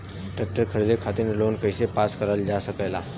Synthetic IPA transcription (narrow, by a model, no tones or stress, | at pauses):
ʈɾek̚ʈəɾkʰəɾd̪ekʰat̪inelonkəjsepaskəɾald͡ʒasəkəjla